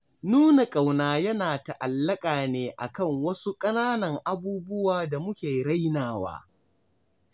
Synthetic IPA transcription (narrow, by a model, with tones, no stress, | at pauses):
nuː˦na˨kʼa˨wnaː˨jɐ˦naː˨ta˨ʔa˨lːɐ˦kʼaː˨neː˨ʔa̰˨kɐ˦˨ŋwɐ˦su˦kʼɐ˦naː˦nɐ˨ŋʔa˨buː˦bʊ˦waː˨da˨mʊ˦kʲeː˨ɽa˦jnaː˨wa̰ː˦